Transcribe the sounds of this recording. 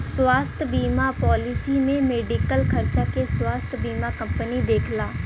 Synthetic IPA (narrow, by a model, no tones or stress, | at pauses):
swaːst̪ʰbiːmapɔːlɪsimẽmeːɖikəlkʰəɾt͡ʃakeswaːst̪ʰbiːmakɐ̃mpənid̪eːkʰlaː